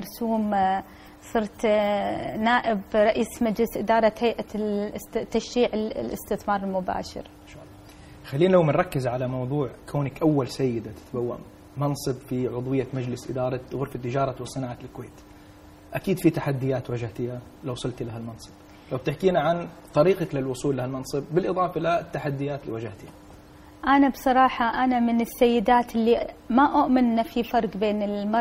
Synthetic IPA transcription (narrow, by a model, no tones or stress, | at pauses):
ɑɾˤsuːm | sˤɨɾt̪ | naːʔɪbɾˤɑʔiːsmad͡ʒlɪsʔɪd̪ɑːɾˤɑt̪hajʔa | t̪ːaʃːiːʕɪllʔɪ̰st̪ɪθmɑːɾˤɪlmʊba̰ːʃɪ̰ɾ | ʃalː | xalːiːnlawmɪnɾˤɑkːɪzʕalamɑwðˤuːʕkʰoːnakʔawːalsajːɪd̪at̪ɪ̥t̪bawːa̰m | mɑnsˤɨbfiʕʊðˤwɪjːamad͡ʒlɪsʔɪd̪ɑːɾˤɑɣʊɾfat̪ːɪd͡ʒɑːɾˤɑwsˤɨnaːʕalkweːt̪ | ʔakiːd̪fit̪aħad̪ːɪjːaːt̪wad͡ʒaht̪ɪha | lawsˤʊlt̪laɦalmɑnsˤɨ̥b̥ | lawb̚t̪ɪħkiːnaʕant̪ˤɑɾiːqɑklɪlwʊsˤuːlːahalmɑnsˤɨb̚ːɪlʔɨðˤɑːfɑʔɪlat̪ːaħad̪ːɪjːaːt̪lḭwad͡ʒaht̪ɪha | ʔanabsˤɑɾˤɑːħaʔanamɪnɪsːajːɪd̪aːt̪ɪlːimaʔʊʔmɪnːafifɑɾˤɡbeːnɪlmɑˤ